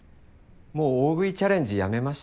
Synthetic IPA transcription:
mo̞ːoːɡɯ̟it͡ɕaɾẽ̞ɲ̟d͡ʑijame̞maɕ

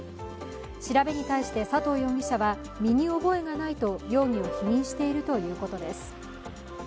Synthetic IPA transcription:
ɕiɾabe̞ɲ̟it̪aiɕi̥t̪e̞sat̪o̞ːjo̞ŋʲiɕaβa | mʲiɲ̟io̞bo̞e̞ɡanait̪o̞jo̞ːŋ̟io̞çiɲʲĩɰ̃ɕi̥t̪e̞iɾɯ̟t̪o̞jɯ̟ːko̞t̪o̞d̪e̞sɨ̥

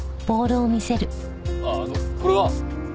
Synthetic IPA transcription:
b̥o̞ːɾɯːmʲise̞ɾɯ | anokoɾeβa

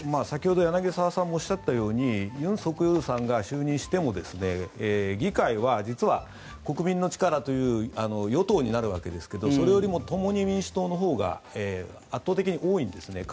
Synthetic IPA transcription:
maːsakʲiho̞d̪o̞janaɡe̞saβasãmːo̞ːɕiːat̪ːajo̞ːɲ̟ijɯ̟̃ɰ̃so̞kɯ̟joɾɯ̟sãŋɡaɕɨːɲ̟ĩɰ̃ɕi̥t̪e̞mo̞d̪e̞sɨne̞ɡʲikaiβad͡ʑit͡sɨβa | ko̞kɯ̟mʲĩnːo̞t͡ɕi̥kaɾat̪o̞jɯ̟ːano̞jo̞t̪o̞ːɲ̟inaɾɯ̟βa̰ke̞d̪e̞sɨ̥ke̞d̪o̞so̞ɾe̞jo̞ɾʲimo̞t̪o̞mo̞ɲ̟imʲĩɰ̃ɕɨ̥t̪o̞ːno̞ɦo̞ːɡa̰eː | at̪ːo̞ːt̪e̞kʲiɲ̟iʔo̞ːĩnd̪e̞sɨne̞k

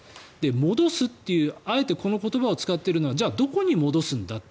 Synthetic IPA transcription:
d̪̥e̞mo̞d̪o̞sɨt̪ːe̞jɯ̟ːae̞t̪e̞ko̞no̞ko̞t̪o̞baot͡sɨ̥kat̪ːe̞ɾɯ̟no̞βad͡ʑaːd̪o̞ko̞ɲ̟imo̞d̪o̞sɨ̃nd̪at̪ː

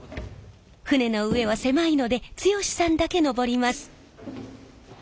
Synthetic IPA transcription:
ɸɯ̟ne̞no̞ɯ̟e̞β̞ase̞maino̞d̪e̞t͡sɨjo̞ɕi̥sãnd̪ake̞no̞bo̞ɾʲimasɨ̥

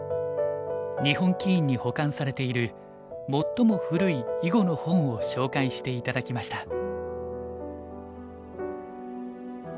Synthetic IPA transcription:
ɲ̟ihõ̞ŋkʲiĩɲ̟ːiho̞kãɰ̃saɾe̞t̪e̞iɾɯ̟ | mo̞t̪ːo̞mo̞ɸɯ̟ɾɯ̟iiɡo̞nohõ̞ɰ̃o̞ɕo̞ːkaiɕi̥t̪e̞it̪ad̪akʲimaɕi̥t̪a

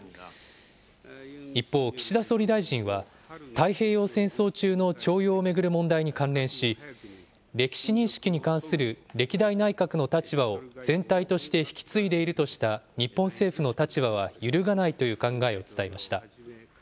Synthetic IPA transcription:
ipːo̞ːkʲi̥ɕid̪asoɾʲid̪aiʑĩɰ̃βa | t̪aihe̞ːjo̞ːsẽ̞ɰ̃so̞ːt͡ɕɨːno̞t͡ɕo̞ːjo̞ːme̞ɡɯ̟ɾɯ̟mõ̞nd̪aiɲ̟ikãnɾẽ̞ɰ̃ɕi | ɾe̞kʲi̥ɕiɲ̟ĩɰ̃ɕi̥kʲiɲ̟ikãɰ̃sɨɾɯ̟ɾe̞kʲid̪ainaikakɯ̟no̞t̪at͡ɕibao̞d͡zẽ̞nt̪ait̪o̞ɕi̥t̪e̞çi̥kʲi̥t͡sɨid̪e̞iɾɯ̟t̪o̞ɕi̥t̪aɲ̟ipːõ̞se̞ːɸɯ̟no̞t̪at͡ɕiβaβ̞ajɯɾɯ̟ɡanait̪o̞jɯ̟ːkãŋɡae̞o̞t͡sɨ̥t̪aimaɕi̥t̪a

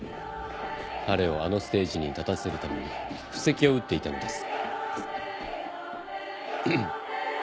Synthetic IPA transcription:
haɾe̞o̞ano̞sɨ̥t̪e̞ːʑiɲ̟it̪at̪ase̞ɾɯ̟t̪ame̞ɲ̟iɸɯ̟̥se̞kʲio̞ɯ̟t̪ːe̞it̪ano̞d̪e̞sɨ̥

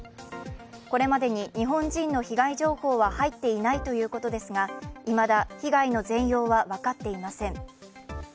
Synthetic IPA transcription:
ko̞ɾe̞mad̪e̞ɲ̟iɲ̟iɦõ̞ɲd͡ʑĩnːo̞çiɡaiʑo̞ːho̞ːβahait̪ːe̞inait̪o̞jɯ̟ːko̞t̪o̞d̪e̞sɨɡaimad̪açiɡaino̞zẽ̞ɰ̃jo̞ːβaβakat̪ːe̞imasẽ̞ŋ

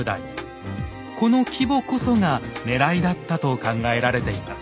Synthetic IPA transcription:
ɯd̪a̰i | ko̞no̞kʲibo̞ko̞so̞ŋane̞ɾaid̪at̪ːat̪o̞kãŋɡae̞ɾaɾe̞t̪e̞imas

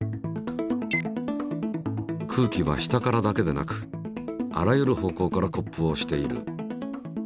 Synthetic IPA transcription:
kʰɯ̟ːkʲiβa̰ɕi̥t̪akaɾad̪ake̞d̪e̞na̰kɯ̟̥ | a̰ɾajɯ̟ɾɯ̟ho̞ːko̞ːkaɾako̞pːɯ̟o̞ɕi̥t̪e̞iɾɯ̟̰

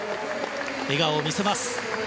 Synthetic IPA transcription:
e̞ɡaomʲise̞masɨ̥

